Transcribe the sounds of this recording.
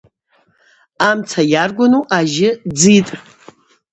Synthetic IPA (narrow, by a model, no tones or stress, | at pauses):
amt͡sʰajarɡʷanuʔaʒɪd͡zitʼ